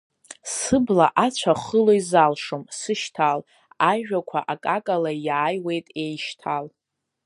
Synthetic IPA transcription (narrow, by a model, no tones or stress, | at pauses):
sɨbla̰ʔat͡ɕʷʰaχəlojzalʂomsɨʃtʰal | aʒᶣakʷʰa̰ʔakʼakʼalajaːjwe̞jtʼe̞jʃtʰal